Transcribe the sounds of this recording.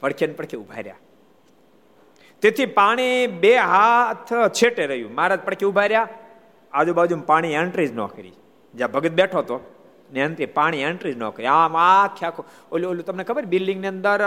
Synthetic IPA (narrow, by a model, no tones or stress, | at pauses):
pəɽkʰənpəɽkʰiubʱa̰ɾja̰ | t̪et̪ʰipaɽ̃ibeɦat̪ʰt͡ʃʰeʈeɾəjṵ̃maːɾat̪̚pəɽkʰiubʱaɾja | ad͡ʒubaːd͡ʒumpaɽ̃ieɳʈɾid͡ʒno̰kəɾḭ | d͡ʒabʱəɡət̪̚beʈʰot̪o | nent̪ɾipaɽ̃ieɳʈɾid͡ʒno̰kəɾiamakʰjakʰo | ololut̪əmnekʰəbəɾibilːiŋɡniənd̪əɾ